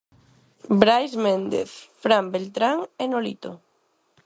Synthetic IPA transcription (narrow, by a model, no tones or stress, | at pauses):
bɾajzmend̪ḛθfɾambelt̪ɾaŋenolḭt̪o